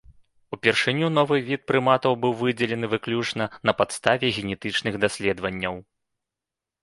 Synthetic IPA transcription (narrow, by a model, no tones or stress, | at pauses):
upʲɛrʂɨnʲunɔvɨvʲit̪̚pɾɨmat̪ɐwbɨwvɨd͡zʲɛlʲɛnɨvɨklʲut͡ʂnɐnɐpat̪st̪avʲɛɣʲɛnʲɛt̪ɨt͡ʂnɨɣd̪asʲlʲɛd̪vɐnʲːɐw